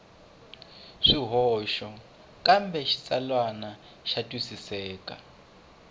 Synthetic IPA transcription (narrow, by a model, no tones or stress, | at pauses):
ʂiɦɔʃɔ | kʼambɛʃi̥t͡sʼalwana | ʃatʼisisɛːkʼa